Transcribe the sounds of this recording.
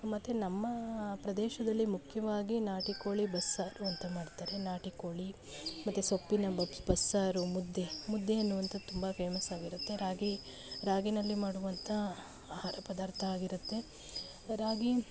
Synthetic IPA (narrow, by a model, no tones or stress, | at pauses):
mɐt̪ːenɐmːɐpɾɐd̪ɛːʃɐd̪ɐlːimukʰjɐʋaːɡinaːʈikoːɭibɐsːaːɾuɐnt̪ɐmaːɽt̪aːɾe̞naːʈikoːɭi | mɐt̪ːesopːinɐbɐsbɐsːaːɾumud̪ːemud̪ːeɐnːuʋɐnt̪ɐt̪umbɐpʰeːmɐsaːɡiɾut̪ːe̞ɾaːɡi | ɾaːɡinɐlːimaːɽuʋɐnt̪ʰɐ | aːhaːɾɐpɐd̪aːɾt̪ʰɐaːɡiɾut̪ːe̞ | ɾaːɡi